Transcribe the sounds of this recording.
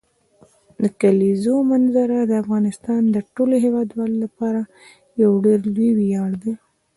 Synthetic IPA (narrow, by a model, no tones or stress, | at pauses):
d̪əkalizomanzaɾad̪əafɣɑnɪst̪ɑnd̪əʈoloɦewɑd̪wɑlolapɑɾa | jawɖeɾliwijɑɽd̪e